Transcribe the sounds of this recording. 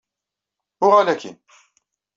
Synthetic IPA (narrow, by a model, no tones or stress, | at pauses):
ʊʁalækʰḭn